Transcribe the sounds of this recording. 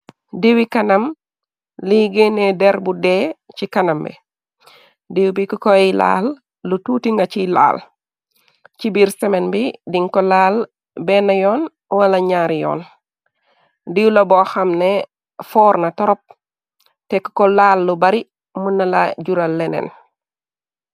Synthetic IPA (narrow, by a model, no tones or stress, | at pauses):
diwikanam | liɡenedɛɾbudɛt͡ʃikanambɛ̰ | diwubikukɔila̰lː | utuːtiŋɡacila̰ːl | cibiɾsɛmenbidiŋkɔlaːl | bɛnajɔːn | walaɲaɾjɔ̰ːn | diulabɔxamne | fɔːɾnatɔɾɔp̚ | tɛku̥kɔlaːlːubaɾi | munːalaɟuɾalːɛnɛ̰n